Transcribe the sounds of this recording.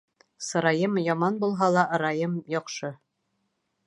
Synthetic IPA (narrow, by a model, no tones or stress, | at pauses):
sɤ̆ɾɑjɤmjɒmɑnbulˠɦɑlˠɑʔ̆ɾɑjɤmjɒqʃɤ